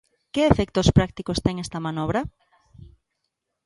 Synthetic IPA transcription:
keefɛk̚t̪ospɾak̚t̪ikost̪ɛŋɛst̪ɐmanɔβɾɐ

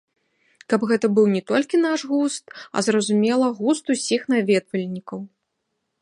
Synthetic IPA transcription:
kɐbɣɛt̪ɐbɨwnʲɛt̪ɔlʲkʲin̪aʂɣust̪ɐ̰zrɐzumʲɛlˠɐɣust̪usʲixnavʲɛd̪vɐlʲnʲikɐw

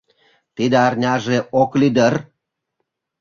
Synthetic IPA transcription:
t̪id̪eɑrnʲɑʒeʔoklid̪ər

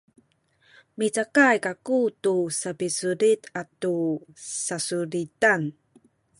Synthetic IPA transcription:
mit͡sakajkakutusapisuɾitatusasuɾitan

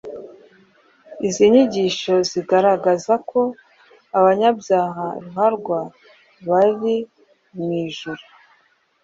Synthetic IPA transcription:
iziɲiɟiːʃo̞ziɡaɾaɡazakʰo̞ | aβaɲabjaːɦaɾuɦaɾɡwa | βaɾi | miːʒuɾu

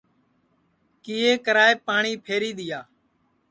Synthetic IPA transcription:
kiːɦeːkəɾaːeːpaːɳiːpʰeːɾiːɗ̪ɪjaː

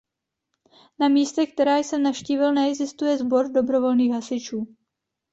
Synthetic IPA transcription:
namiːst̪ɛk̚t̪ɛɾaːjsɛmnafʃciːvɪlnɛɛɡzɪst̪ujɛzbo̞ɾdo̞bɾo̞vo̞lniːxɦasɪt͡ʃuː

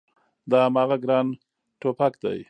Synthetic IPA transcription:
d̪ɑamɑːɣaɡɾɑːn | ʈopakd̪a̰j

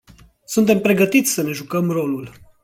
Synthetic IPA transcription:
sunt̪e̞mpɾe̞ɡət̪it̪sʲsəne̞ʒukəmro̞lul

